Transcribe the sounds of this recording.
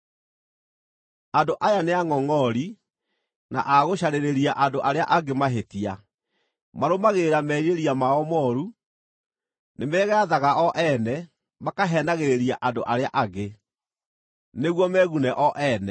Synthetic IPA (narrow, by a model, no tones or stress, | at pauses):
andoʔajaneaŋɔŋɔɾi | na̰ʔaɣoɕaɾeɾeɾiaʔandoʔaɾea̰ʔaɡemaɦetia | maɾomaɣeːɾamɛɾieɾiamaɔmɔɾu | nemɛːɣɛaðaɣaʔɔʔɛnɛ | makaɦɛnaɣeɾeɾiaʔandoʔaɾeaʔaɡe | neɣwɔmɛɣunɛʔɔʔɛnɛ